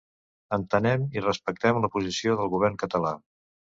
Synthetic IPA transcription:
ənt̪ənɛmirəspək̚t̪ɛmləpuzisioðəlˠɣuβ̞ɛrŋkət̪əla

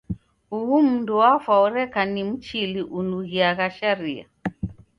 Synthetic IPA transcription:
huum̩nduwafwaɔɾɛkanim̩t͡ʃiliʔunuɣiaɣaʃaɾia̰

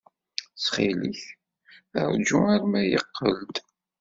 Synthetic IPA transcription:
sχiliç | ə̰ɾˤd͡ʒuaɾmæjəqːəld̪

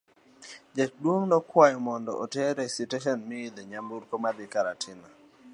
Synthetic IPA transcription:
d͡ʒak̚dwoŋnɔkwajɔmɔndɔ̰ʔɔtɛɾɛsitɛʃɔnmiileɲambuɾkomad̪ɪkaɾatʰɪna

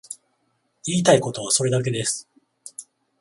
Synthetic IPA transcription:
iːt̪aiko̞t̪o̞β̞aso̞ɾe̞d̪ak̬e̞d̪e̞sɨ̥

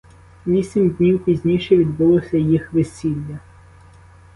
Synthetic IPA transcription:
ʋʲisʲimd̪ʲnʲiwpʲizʲnʲijʃɛʋʲid̪bʊlˠɔsʲɐjixʋesʲilʲːɐ

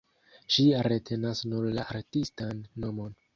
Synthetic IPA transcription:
ʃiɾetʰe̞nasnuɾlaʔaɾtistanːo̞mo̞n

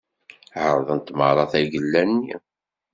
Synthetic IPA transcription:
ʕəɾˤðˤənt̪ːməɾˤɑθæʝəlːænːi

